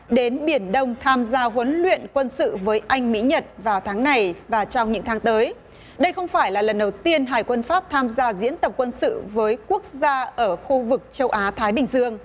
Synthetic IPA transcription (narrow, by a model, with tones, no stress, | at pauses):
ɗe˨˦nɓi˧˩ənɗə˧wŋ͡mt̪ʰaː˧mzaː˧ɦwə˨˦nlḭ˧˨ənkwə˧nsɨ̰˧˨vəː˨˦jʔa˧jŋ̟mḭ˧˥ɲə˨˩t̚vaː˨˩wt̪ʰaː˨˦ŋna˨˩jvaː˨˩t͡ɕɔ˧wŋ͡mɲɨ̰˧˥ŋt̪ʰaː˨˦ŋt̪əː˨˦j | ɗə˧jxə˧wŋ͡mfaː˧˩jlaː˨˩lə˨˩nɗə˨˩wt̪i˧ənɦaː˨˩jkwə˧nfaː˦˥p̚t̪ʰaː˧mzaː˧zḭ˧˥ənt̪ə˨˩p̚kwə˧nsɨ̰˧˨vəː˨˦jku˦˥ək̚zaː˧ʔəː˧˩xu˧vɨ˨˩k̚t͡ɕə˧wʔaː˨˦t̪ʰaː˨˦jɓï˨˩ŋ̟zɨ˧əŋ